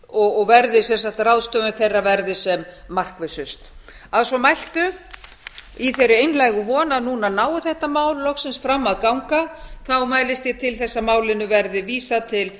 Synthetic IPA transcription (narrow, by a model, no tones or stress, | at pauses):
ɔɔɣvɛɾðɪsɛnsaht̪rawðst̪œʏnθejrːavɛɾðɪsɛmːar̥kvɪsʏst̪ | aðsɔmajl̥t̪ʏ | iθejɾʏejnlajɣʏvɔːnaðnunanaːwʏθɛht̪amaːwlːɔxsɪnsfɾamːaðkawŋkaθawmaːjlɪst̪jɛt̪ʰɪlθɛsːamaːwlɪnːʏvɛɾðɪviːsat̪ʰɪl